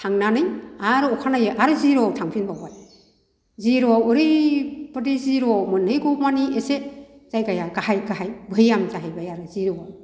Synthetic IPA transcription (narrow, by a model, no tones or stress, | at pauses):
tʰaŋnanɯjaɾɔkʰanajɯʔaɾɯziɾɔtʰaŋpʰinbawaj | ziɾɔuɾɯpɯdeziɾɔmɯnɯjɡɔmaniesez̥ajɡajaɡahajɡaɦajbʱɯjamzaɦajbajaɾɯziɾɔ